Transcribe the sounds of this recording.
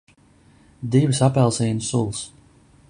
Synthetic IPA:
d̪ivɨsapɛlˠsiːjnsulˠs

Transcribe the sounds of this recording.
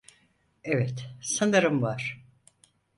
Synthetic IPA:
evɛt̪sand̪ɯɾɯmvaɾ̥

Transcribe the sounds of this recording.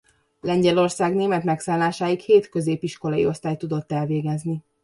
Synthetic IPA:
lɛɲɟɛlo̞rsaːɡneːmɛt̪mɛksaːnlaːʃaːjikheːt̪kø̞zeːpiʃko̞lɒjḭo̞st̪aːjt̪ːud̪o̞t̪ːɛlveːɡɛzni

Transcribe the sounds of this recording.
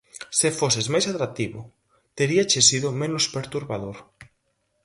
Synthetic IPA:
sɪfosɪzmajsat̪ɾak̚t̪iβʊ | t̪eɾiat͡ʃesiðʊmenʊspeɾt̪uɾβaðoɾ

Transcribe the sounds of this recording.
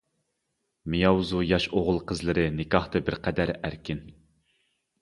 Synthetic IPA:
mɪjɑwzujɑʃoʁəlˠqʰəzlˠɨɾɨnɪkʲɑht̪ɨbɪɾqʰɛd̪æɾæɾkʲɪn

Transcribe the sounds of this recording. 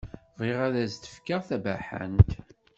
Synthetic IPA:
viʁæðæzt̪ə̥fkəʁθæbæħə̰nt̪

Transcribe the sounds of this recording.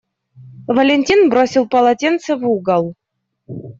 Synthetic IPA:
vəlʲenʲtʲinbɾosʲilˠpəlˠɐtʲent̪səvuɡəlˠ

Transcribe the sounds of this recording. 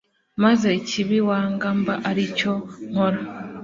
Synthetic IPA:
mazeciβiwaːŋɡambaʔaɾico̞ŋ̥oɾa

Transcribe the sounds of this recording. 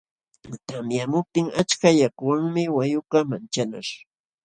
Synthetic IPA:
t̪amjamʊp̚t̪ɪŋat͡ʃkajakwaŋmɪwajʊkamant͡ʃana̰ɾ

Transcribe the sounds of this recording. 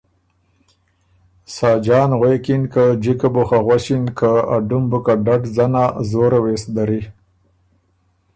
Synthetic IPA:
sɑːd͡ʒɑːnɣwekinkad͡ʒikabuxaɣwaʃinkaaɖumbukaɖaʈzanazoɾawesd̪aɾi

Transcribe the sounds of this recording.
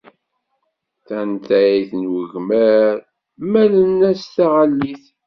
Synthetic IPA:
θænt̪æjiθənwəʝməɾ | mælənːæst̪aʁalːiθ

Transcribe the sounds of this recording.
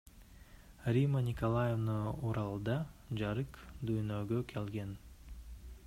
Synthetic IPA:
rʲimənʲɪkolˠajevnauɾɑlˠd̪ɑd͡ʒɑɾɯqd̪yjnøɡøkʰelɡen

